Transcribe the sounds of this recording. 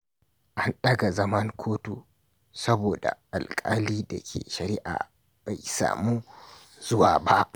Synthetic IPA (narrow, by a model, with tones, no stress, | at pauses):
ʔa˨nɗɐ˦ɡa˨zɐ˦mɐ˦ŋkʷʰoː˦tu˨ | sɐ˦boː˨da̰˨ʔa˨lkʼa˦liː˦dɐ˨kʲʰḛː˨ʃɐ˨ɾɪ˦ʔa̰ː˨ | b̥a˨jsa̰ː˨muː˦ | z̥ʊ˦waː˨ba˦ʔ